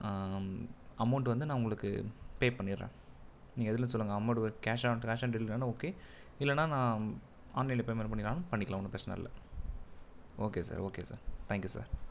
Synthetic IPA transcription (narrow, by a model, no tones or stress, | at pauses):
ɐmɐʊɳʈʋɐnd̪ɯnãːʊŋɡɐɭɯkːɯ̰peːpɐɳːɪɾːḛ̃ː | nĩːɡɐɛðɯlːɐ̃sɔlːɯŋɡɐɐmɐʊɳʈɯɔɾkaːʂaːʈkaːʂaːnɖɪlɪãːnaoːkeː | ɪlːɛnːaːnãː | a̰ːnːɛɪlepeːmɐnpɐɳːɪɾaːnʊ̃pɐɳːɪkːɐɭãːʊnːɯpɪɾɐt͡ʃːɐnɐ̰ɪ̰lːɐ̰ | oːkeːsa̰ːɾoːkḛːsa̰ːɾt̪ʰaːŋkjuːsa̰ːɾ